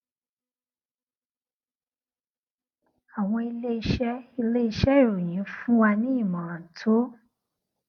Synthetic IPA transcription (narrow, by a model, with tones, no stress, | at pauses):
a˨w̃ɔ̃˧i˧le˦i˧ʃɛ˦i˧le˦i˧ʃɛ˦i˦˨ɾo˨j̃ĩ˨˦fũ˦wa˧nĩ˦i˦˨mã˨ã˨tʰo˨˦